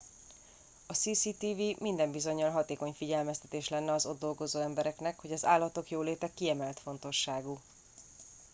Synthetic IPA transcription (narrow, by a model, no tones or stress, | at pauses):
ɒsiːsiːt̪iːvimind̪ɛmbizo̞ɲːɒlɦɒt̪eːko̞ɲfiɟɛlmɛst̪ɛt̪eːʃlɛnːɛɒzo̞d̪ːo̞lɡo̞zoːɛmbɛɾɛknɛkho̞ɟɒzaːlːɒt̪o̞kjoːleːt̪ɛkːiɛmɛlt̪fo̞n̪t̪o̞ʃːaːɡuː